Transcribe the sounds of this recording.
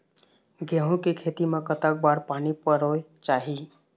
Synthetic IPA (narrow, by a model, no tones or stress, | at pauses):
ɡeɦũkekʰet̪imekət̪ak̚baɾpanipəɾoet͡ʃaɦi